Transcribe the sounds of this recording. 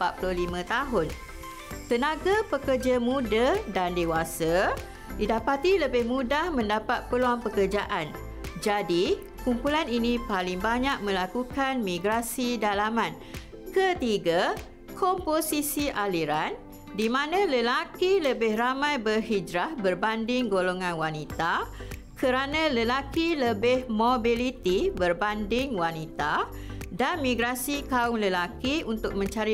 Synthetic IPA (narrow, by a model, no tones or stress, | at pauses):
əmpat̪̚pululimãt̪aɦʊn | t̪ənãɡapəkərd͡ʒamũdadandewasa | didapat̪iləbɪhmũdahmə̃ndapat̪̚pəluanpəkərd͡ʒaʔan | d͡ʒadi | kumpulaninĩpalɪŋbaɲaʔ̚mə̃lakukanmĩɡɾasidalamãn | kət̪iɡa | kʰɔmposisiʔaliɾan | dimãnãləlakiləbɪhramãjbərhid͡ʒɾahbərbandɪŋɡoloŋãnwanit̪akʰəɾanãləlakiləbɪhmobilit̪ibərbandɪŋwanit̪a | danmĩɡɾasikaʊŋləlakiunt̪ʊk̚mə̃ɲt͡ʃaɾi